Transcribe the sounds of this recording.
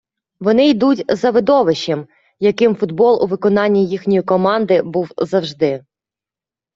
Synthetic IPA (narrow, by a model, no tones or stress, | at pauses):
ʋɔnɪjd̪utʲzɐʋɪd̪ɔʋɪʃɛm | jɐkɪmfʊd̪bɔlˠʔṵʋɪkɔnɑnʲːijixnʲɔjikɔmɑnd̪ɪbuwzɐwʒd̪ɪ